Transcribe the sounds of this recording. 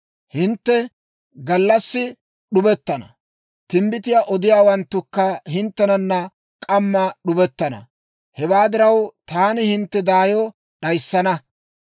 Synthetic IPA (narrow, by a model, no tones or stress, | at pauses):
hɪnt̪ːɛ | ɡɐlːɐsːɪ | ɗʊbɛt̪ːɐnɐ̰ | t̪ɪmbɪt̪ɪjaːʔɔd̪ɪjaːwɐnt̪ːʊkːɐhɪnt̪ːɛnɐnːɐ | kʼɐmːɐɗʊbɛt̪ːɐnɐ̰ | hɛbaːd̪ɪɾɐwt̪aːnɪhɪnt̪ːɛd̪aːjɔ | ɗɐjsːɐnɐ